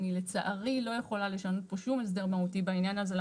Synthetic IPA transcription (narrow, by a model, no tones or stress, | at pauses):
nile̞t͡saʔaʁilo̞je̞χo̞lale̞ʃano̞t̚po̞ʃumes̬d̪e̞ʁmautibainjanazel